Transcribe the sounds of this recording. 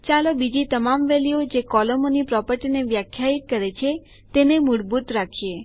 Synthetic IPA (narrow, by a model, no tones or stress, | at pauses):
t͡ʃalobid͡ʒit̪əmamʋɛliod͡ʒekɔləmonipɾɔpəɾʈineʋjakʰjait̪̚kəɾet͡ʃʰe | t̪enemuɽbut̪ɾakʰie